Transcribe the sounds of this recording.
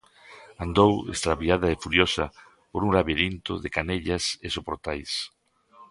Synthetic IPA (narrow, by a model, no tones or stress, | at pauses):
and̪owḛst̪ɾaβjaðɐefuɾjosɐ | poɾuŋlaβeɾint̪ʊ̰ðɪkaneʎɐsesopoɾt̪ajs